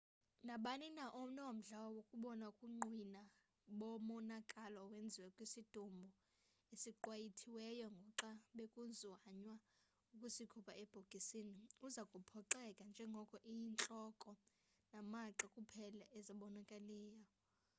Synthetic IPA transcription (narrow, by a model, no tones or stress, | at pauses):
naɓaninaʔonawom̩ɮawɔwokʼuɓɔnaukʼuŋ͡ǃwina | ɓɔmɔnakʼalɔːwend͡zʱiwɛkʼwisid̥ʱumbʱɔ | esiǃwajitʰiwɛjɔŋɡʱɔǁaɓekʼunzwaɲwa | ukʼusikʰupʰʼaɛb̥ʱoɡ̥ʱisiniuzakʼupʰɔǃɛkʼand͡ʒʱɛŋɡʱɔkʼɔʔijint͡ɬʼɔkʼɔ | namaǁakʼupʰɛlaʔɛzaɓɔnakʼalɛːjɔ